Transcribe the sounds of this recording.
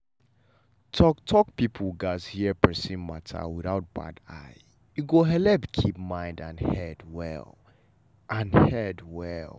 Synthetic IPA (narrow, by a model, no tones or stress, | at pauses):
tʰɔktʰɔk̚pipʰəlɡaz̥hiəpɛsĩnmatʰa̰wiðaʊt̚b̥a̰da̰ɪ | juɡoɦɛlɛbkʰip̚mãɪ̃ndãnhɛdwɛ̰l | ʔãnhɛdwɛlˠ